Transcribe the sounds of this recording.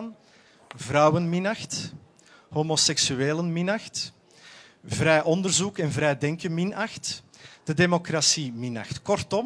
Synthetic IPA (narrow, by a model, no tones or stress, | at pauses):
n | vrɑwənmɪnɑxt | hoːmosɛksyeːlənmɪnɑxt | vɾɛjʔɔndərzukɛnvɾɛjdɛŋkənmɪnɑxtd̥ədeːmokrasimɪnɑ̰xtkɔrtɔm